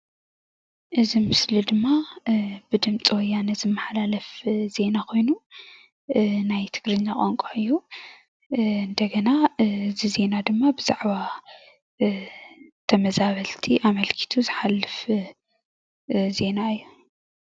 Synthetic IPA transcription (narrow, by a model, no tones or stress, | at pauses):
ʔɨzimɨslid̪ɨmːabɨd̪ɨmt͡sʼiwɔjːanɨzɨmːaħlalɐfz̥e̞nakʰo̞jnu | najt̪ʰɨɡ̥ɾɨɲːakʼoŋkʼoʔɨjːu | ɨnd̪ɐɡɐnazize̞nad̪ɨmːabɨzaʕβa | t̪ʰɐmɐzaβɐlt̪ʰiʔamɐlkʰi̥t̪ʰuzɨħalːɨf | ze̞naɨjːu